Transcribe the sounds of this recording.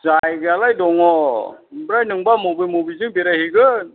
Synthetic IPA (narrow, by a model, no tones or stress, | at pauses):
zajɡalajdɔŋɔ | bɾajnɯŋbamobijmobizɯŋbeɾajhiɡɯn